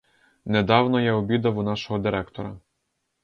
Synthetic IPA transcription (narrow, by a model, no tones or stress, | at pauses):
ned̪ɑwnɔjaɔbʲid̪ɐwunɑʃɔɦɔd̪ɪɾɛkt̪ɔɾɐ̰